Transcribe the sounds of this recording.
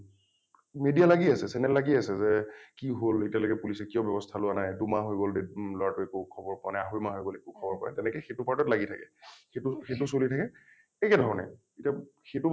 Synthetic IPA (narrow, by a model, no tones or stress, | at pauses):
medialaɡiasɛsɛnɛllaɡiasɛzɛkiɦolitijalojkɛpulisɛkijɔbjɛbɔstʰalʊanajdumaɦojɡoldelɔɹatʊɛkukʰɔbɔɹpanɛaɦojmaɦojɡolɛkukʰɔbɔɹpaɛtɛnɛkɛxetʊpaɹtɔtlaɡitʰakɛxetʊxetʊsolitʰakɛ | ɛkɛdʱɔɹɔnɛ̰ | itaxetʊ